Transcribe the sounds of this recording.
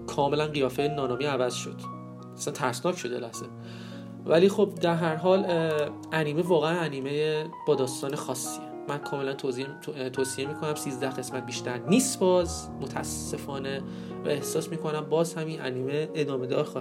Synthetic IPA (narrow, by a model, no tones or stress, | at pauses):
kʰɒːme̞lænɢijɒːfejenɒːnɒːmiːævæz̥ʃo̞̰d̪̥ | æsænt̪ʰæɾsnɒːcʰʃod̪elæhz̥e | væliːxobd̪æɾɦæɾɦɒːl | æniːme̞vɒːɣeænæniːmejeb̥ɒːd̪ɒːst̪ɒːnexɒːsːiemænkʰɒːme̞lænt̪ʰozi | t̪ʰoːsiemiːkʰo̞næmsiːzd̪æhɣe̞smæt̪̚biːʃt̪æɾniːst̪bɒːz | mot̪ʰæsːe̞fɒːne̞ | væ̰e̞hsɒːsmiːkʰo̞næmbɒːzhæminʔæniːme̞ed̪ɒːme̞d̪ɒːɾx